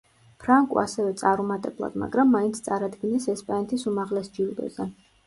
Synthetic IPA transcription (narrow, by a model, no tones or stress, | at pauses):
pʰɾaŋkʼṵa̰sɛvɛt̪sʼaɾumat̪ʼɛblˠa̰d̪ma̰ɡɾamːaint̪sʰt̪sʼaɾad̪ɡinɛsɛspʼanɛt̪ʰisumaʁlɛsd͡ʒild̪ɛ̰zɛ